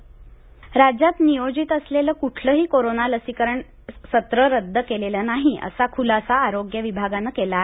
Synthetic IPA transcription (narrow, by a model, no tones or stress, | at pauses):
ɾad͡ʑat̪nijod͡ʑiːt̪əsleləːkuʈʰləɦiːkoɾonaləsikəɾəɳ | sət̪ɾəɾəd̪ʱːəkelelənaɦiʔə̰sakʰulasaːɾoɡjəʋibʱaɡanəkelae